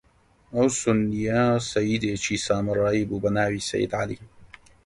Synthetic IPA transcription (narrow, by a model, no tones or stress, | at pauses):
ʔawsʊnːɪjasajːɪd̪et͡ʃiːsaːmrˤɑibubanaːwisa̰jːɪd̪ʕalḭ